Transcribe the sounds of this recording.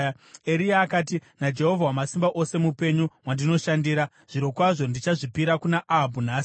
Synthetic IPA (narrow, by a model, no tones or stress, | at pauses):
eɾijaːkaːt̬inad͡ʒe̞ɦo̞vʱawamasimbaʔo̞se̞mupe̞ɲuwandino̞ʃandiːɾa | ʐ̥iɾo̞kwaʐo̞ndit͡ʃaʐipiɾakunaʔaɦabʱunaːsi